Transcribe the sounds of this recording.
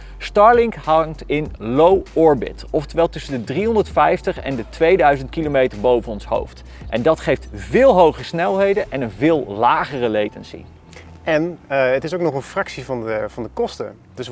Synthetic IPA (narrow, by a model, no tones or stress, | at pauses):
stɑɹlɪŋkɦɑŋtɪnlowɔɹbɪ̰tɔftəʋɛlˠtɵsəndədriɦɔndəɹtfɛjftəχɛ̰ndətʋejdœɥzəntkilomejtəɹbowvənɔnsɦo̰wft | ʔɛndɑtχejftvɪːlˠɦowχəsnɛlˠɦejdəʔɛnənvɪːlˠlaːχərəlejtənsḭ | ɛnətɪs̬owk̚nɔχənfrɑksivɑnəvɑndəkɔstə̰ | dəs